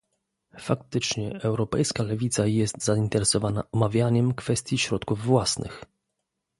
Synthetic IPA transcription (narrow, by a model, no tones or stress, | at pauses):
fak̚t̪ɘt͡ʂɲɛʔɛwɾɔpɛ̰jskalɛvʲit̪sajɛst̪zaint̪ɛɾɛsɔvana̰ʔɔmavʲjaɲɛmkfɛst̪ʲjiɕɾɔt̪kuvːwasnʔɘ̰x